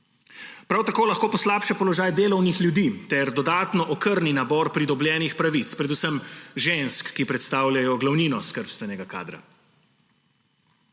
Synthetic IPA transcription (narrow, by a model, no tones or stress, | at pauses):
pɾawt̪akoːlaxkoːpɔslaːpʃɛpɔlɔʒaːjd̪eːlɔwnixlʲjud̪iːt̪ɛɾd̪ɔd̪aːt̪nɔʔɔkəɾninabɔɾpɾid̪ɔbljɛːnixpɾaʋit̪spɾɛd̪usəmʒenskːipɾɛt̪st̪aːwljajɔɡlawniːnɔskəɾpst̪ʋɛnɛɡaka̰ːd̪ɾa̰